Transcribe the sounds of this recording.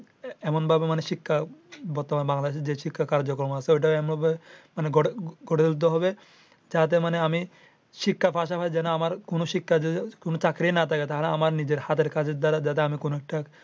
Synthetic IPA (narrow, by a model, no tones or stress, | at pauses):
ɛmonbʱabemaneʃikʰːabɔɾt̪omanbaŋlad̪eʃeɾd͡ʑeʃikʰːakaɾd͡ʑokɾɔmaseojʈ̬aɛmonbʱabemaneɡoɡʱoɽellut̪ːoɦɔbe | d͡ʑat̪̬emaneami | ʃikːapʰaʃapʰaed͡ʑɛnoamaɾkonoʃikʰːad͡ʑekonot͡ɕakɾenat̪ʰaket̪aɦaleamaɾnid͡ʑeɾhat̪ʰeɾkad͡ʑeɾd̪aɾad͡ʑat̪̬eamikonoɛk̚ʈa